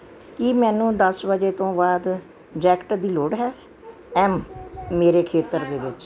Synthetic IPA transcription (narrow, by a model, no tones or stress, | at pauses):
kimɛ̃ːnũːd̪əsbəd͡ʒeːt̪õːbaːd̪ | d͡ʒɛːkʈəd̪iːloːɽɦɛː | ɛːmːeːɾeːkʰeːt̪əɾd̪eːbɪt͡ʃ